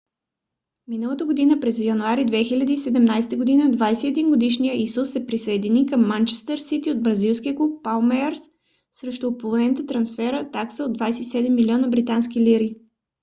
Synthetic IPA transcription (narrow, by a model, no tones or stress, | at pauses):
minəlˠət̪əɡod̪inəpɾɛzjɐnuaɾid̪vɛxilʲəd̪iːsɛd̪ɛmnajsɛ̥t̪əɡod̪inəd̪vajsɛɛd̪inɡod̪iʃnijəizusːɛpɾisɐɛd̪inikəmːant͡ʃɛ̥st̪əɾsit̪iod̪̚bɾɐzilˠskʲiəklup̚palˠmɛɾsː | ɾɛʃt̪ʊːpolˠɛnət̪ət̪ɾɐnsfɛɾət̪aksəod̪vajsɛt̪isɛd̪ɛmːilʲiɔnəbɾit̪anskiliɾi